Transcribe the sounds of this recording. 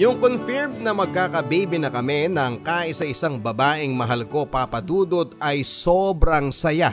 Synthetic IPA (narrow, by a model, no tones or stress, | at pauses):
jʊŋkonfɪɹmnɐmɐɡ̚kaːkɐbijbɪnɐkɐmɛnɐɐŋkaːʔɪsɐɪsaŋbɐbaːʔɪŋmɐɦɐlko̞papɐd̪uːd̪ot̪ɐjsobɾɐŋsɐja